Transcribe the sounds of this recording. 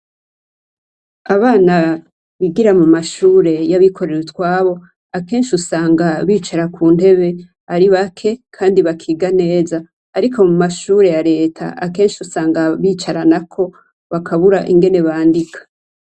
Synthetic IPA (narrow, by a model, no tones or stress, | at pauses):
aβaːna | βiɡiɾamumaʃuːɾe̞jaβikʰo̞ɾeɾutwaːβo̞ | ake̞ːnʃiusaːŋɡaβiːt͡ʃaɾakʰuːnde̞βe̞ | aɾiβakʰe̞kʰaːndiβakʰiːɡane̞ːzaː | ɾikʰo̞mumaʃuːɾe̞jaɾe̞ːtʰa̰ake̞ːnʃiusaːŋɡaβiːt͡ʃaɾanakʰo̞ | βakʰaβuɾaʔiŋɡe̞ne̞βaːndikʰḁ